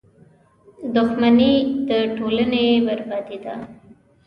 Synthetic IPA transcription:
d̪ʊxmanid̪əʈolənebaɾbad̪id̪a̰

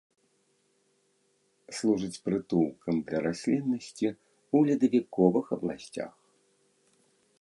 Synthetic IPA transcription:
slˠuʐɨt͡sʲpɾɨt̪uwˠkʰɐmd̪lʲɐɾasʲlʲinːɐsʲt͡sʲi | ulʲid̪ɐvʲikɔvɨxɐblˠasʲt͡sʲa̰x

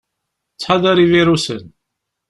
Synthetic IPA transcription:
t͡sːħɑðəɾiviɾusə̰n

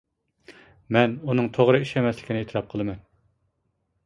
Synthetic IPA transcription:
mɛnunɨŋt̪ʰoʁɾɨiʃɛmɛslɪ̥kʲinɪet̪ʰɾɑp̚qʰəlˠɨmɛn

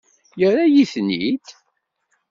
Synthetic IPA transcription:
jəɾajiθnḭd̪

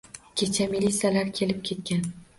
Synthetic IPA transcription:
kʲʰe̞t͡ʃʰamilʲːit̪sijalaɾkʲʰe̞lɪp̚kʲʰe̞t̪̚kʲan

